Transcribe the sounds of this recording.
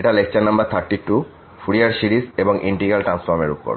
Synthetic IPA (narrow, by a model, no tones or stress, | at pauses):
eʈalekʰt͡ɕanambaɾt̪ʰaɾʈiʈu | fuɾiaɾsiɾizeboŋʔiɳʈiɡalʈɾansfoɾmḛɾupo̰ɾ